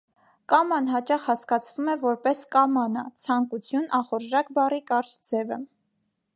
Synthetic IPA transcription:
kɑmɑnɦɑt͡ʃɑχhɑskɑt͡sʰvumɛvɔɾpɛskɑmɑnə̰t͡sʰɑŋkut͡sʰjunɑχɔɾʒɑkbɑrikɑɾt͡ʃd͡zɛvə̰

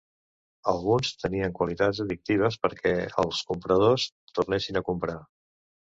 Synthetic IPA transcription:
əlˠɣunst̪əniəŋkwəlit̪azəðik̚t̪iβ̞əs̬pəɾkʰɛə̰lˠskumpɾəð̞os | t̪urnɛsinəkumpɾa

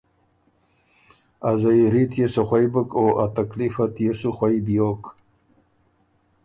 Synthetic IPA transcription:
azajɾitʰjesɐχʷajbɨkʼoʔat̪akʼlifatʰjeʂɨχʷajbjokʼ

